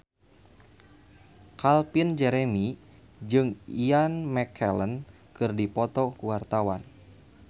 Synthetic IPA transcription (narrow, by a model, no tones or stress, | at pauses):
kalpind͡ʒɛɾemi | d͡ʒɨŋianmɛkʰɛlən | kɨrdipɔt̪ɔkuwart̪awan